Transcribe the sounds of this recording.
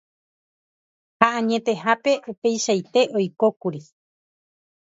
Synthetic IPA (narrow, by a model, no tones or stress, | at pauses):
haʔãɲẽ̞t̪e̞hape̞ʔupe̞jʃajt̪e̞ʔo̞jkokuɾi